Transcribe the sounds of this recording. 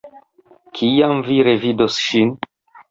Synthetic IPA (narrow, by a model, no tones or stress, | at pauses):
kʰijamviɾe̞vidosʃin